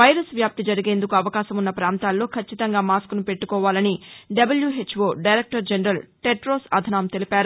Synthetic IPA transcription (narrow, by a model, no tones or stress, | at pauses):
ʋɐjɾɐsʋjaːp̚t̪id͡ʒɐɾiɡe̞ːnd̪ukuɐʋɐkaːʃɐmunːɐpɾaːnt̪aːlːo̞ːkʰɐt͡ʃːit̪ɐŋɡaːmaːskunupe̞ʈːukɔːʋaːlɐniɖɐbɐljuːɦet͡ʃːʋoːɖɐjɾeːk̚ʈɐɾd͡ʒenɾɐlʈeʈɾo̞ːsɐd̪ʱɐnaːmt̪e̞lipaːɾu